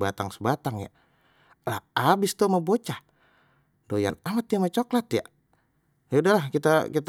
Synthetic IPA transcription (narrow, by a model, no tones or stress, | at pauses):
bat̪aŋsəbat̪aŋja̰ | lahabɪst̪omabot͡ʃah | doja̰namat̪jamat͡ʃoklat̪ja̰ | jaudalahkit̪akit̪